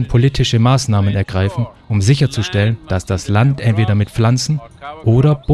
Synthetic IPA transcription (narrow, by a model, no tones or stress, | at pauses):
npʰoliːtʰɪʃəmaːsnaːmənɛɐɡʁaɪfn̩ʔʊmzɪçɐt͡suʃtɛlənd̥asd̥aslantʔɛntv̥eːɾɐmɪtflant͡sn̩ʔoːɾɐb̥